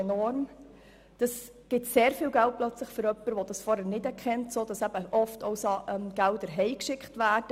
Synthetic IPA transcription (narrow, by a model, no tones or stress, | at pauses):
ɛnɔɾm | d̥ɑs | ɡ̥ɪtseːɾfiːlɡæl̚plœt͡sləχfʏɾœpːəɾʋɔd̥ɑsfɔɾɛnɪdɛɾkʰɛntsoːd̥ɑsæb̥əʔɔftʰɔʊsɑʔɛmɡ̥ældəɾɦɛɪkʃɪkχtʋæːɾd̥ə